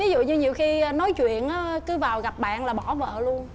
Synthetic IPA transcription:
vi˨˦zṵ˧˨ɲɨ˧ɲi˨˩əwxi˧nɔ˨˦jt͡ɕwḭ˧˨ənʔaː˨˦kɨ˨˦vaː˨˩wɣa˨˩p̚ɓa̰ː˧˨nlaː˨˩ɓɔ˧˩və̰ː˧˨lu˧ən

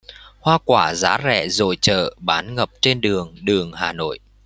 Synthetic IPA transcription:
hwaː˧kwaː˧˩zaː˨˦zɛ̰˧˩˨zo̰˧˨˩jt͡ɕə̰ː˧˨ɓaː˨˦nŋə˨˩p̚t͡ɕe˧nɗɨ˨˩əŋɗɨ˨˩əŋhaː˨˩no̰˧˨jʔ

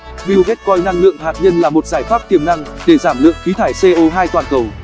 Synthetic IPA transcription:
ɓi˧wɣɛ˦˥t̚kɔ˧jna˧ŋlɨ̰˧˨əŋɦaː˨˩t̚ɲə˧nlaː˨˩mo˨˩t̚z̥aː˧˩jxwaː˦˥p̚k̪i˨˩əmna˧ŋɗe˧˩zaː˧˩mlɨ̰˧˨əŋxi˨˦t̪ʰaː˧˩jse˧ʔo˧ɦaː˧jt̪waː˨˩nkə˨˩w

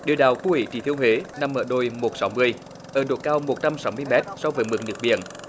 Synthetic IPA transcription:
ɗḭ˨˧˨əwɗa̰ː˨˩wku˧˦wḭ˨˩˦t͡ɕḭ˧˩t̪ʰi˧əwhe˨˦na˧mʔəː˧˩ɗo˧jmo˨˩t̚sa˨˦wmɨ˧əj | ʔəː˧˩ɗo˨˩t̚kaː˧wmo˨˩t̚t͡ɕa˧msa˨˦wmɨ˧əjmɛ˦˥t̚sɔ˧wvəː˨˦jmɨ̰˨˩ŋ̚nɲɨ˨˩ək̚ɓḭ˧˨ən

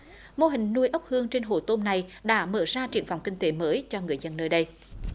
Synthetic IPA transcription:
mo˧ɦï˨˩ŋ̟nu˧jʔə˦˥wk͡p̚hɨ˧əŋt͡ɕe˧nɦo̰˧˩t̪o˧mna˨˩jɗa̰ː˧˥məː˧˩zaː˧t͡ɕḭ˧˩ənva̰˧˨wŋ͡mkï˧ŋ̟t̪e˨˦məː˨˦jt͡ɕɔ˧ŋɨ˨˩əjzə˧nːəː˧jɗə˧j

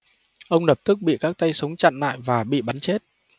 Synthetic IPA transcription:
ʔə˧wŋ͡mnə˨˩p̚t̪ɨ˦˥k̚ɓḭ˧˨kaː˦˥k̚t̪a˧jsə˨˦wŋ͡mt͡ɕa̰˧˨nːa̰ː˧˨jvaː˨˩ɓḭ˧˨ɓa˨˦nt͡ɕe˦˥t̚

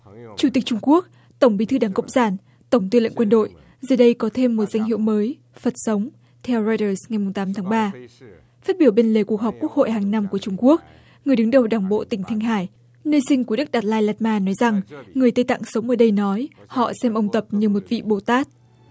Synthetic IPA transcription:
t͡ɕu˧˩t̪ï˨˩k̚t͡ɕʊ˧ŋ͡mku˦˥ək̚ | t̪ə˧˩wŋ͡mɓi˨˦t̪ʰɗaː˨˦ŋkə̰˧˨ŋ͡msaː˧˩n | t̪ə˧˩wŋ͡mt̪i˧lə̰˧˨ŋkwə˧nɗo̰˧˨j | zəː˨˩ɗə˧jkɔ˨˦t̪ʰe˧mːo˨˩t̚za˧jŋ̟ɦḭ˧˨əwməː˨˦j | fə˨˩t̚sə˨˦wŋ͡m | t̪ʰɛ˧wzɔ˧jtəː˧sŋa˨˩jmʊ˨˩ŋ͡mt̪aː˨˦mt̪ʰaː˨˦ŋɓaː˧ | faː˦˥t̚ɓi˧˩əwɓe˧nle˨˩ku˨˩ək̚hɔ˨˩wk͡p̚ku˦˥ək̚ho̰˧˨jɦaː˨˩ŋna˧mku˧˩ət͡ɕʊ˧ŋ͡mku˦˥ək̚ | ŋɨ˨˩əjɗɨ˨˦ŋɗə˨˩wɗaː˨˩ŋɓo̰˧˨t̪ï˧˩ŋ̟t̪ʰï˧ŋ̟ɦaː˧˩j | nəː˧jsï˧ŋ̟ku˧˩˦ɗɨ˦˥k̚ɗaː˨˩t̚laː˧jlaː˧˩t̚maː˧nɔ˨˦jza˨˩ŋːɨ˨˩əjt̪ə˧jt̪a̰ː˧˨ŋsə˨˦wŋ͡mʔəː˧˩ɗə˧jnɔ˨˦jhɔ̰˧˨sɛ˧mʔə˧wŋ͡mt̪ə˨˩p̚ɲɨ˧mo˨˩t̚vḭ˧˨ɓo˨˩t̪aː˦˥t̚

